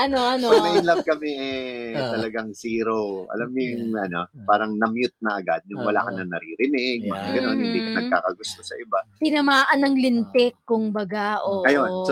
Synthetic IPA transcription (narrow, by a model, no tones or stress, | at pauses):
ʔɐnoʔɐnɐmɐjnlakɐmɛʔɛt̪ɐlɐɡaŋsiːɾoʔɐ̰lamjʊŋʔɐno̞paːɾɐŋnɐmjʊt̪̚nɐʔɐɡa̰d̪̚nʊŋwɐla̰ːkɐnɐŋnɐɾiːɾɪnɪɡ̚mɐɡɐno̞nhɪnd̪iːkɐnɐɡ̚ka̰ːkɐɡʊst̪o̞sɐʔɪbat̪ɪnɐmaːʔɐnɐŋlɪnt̪ɛkːʊŋbɐɡaʔoʔɐjons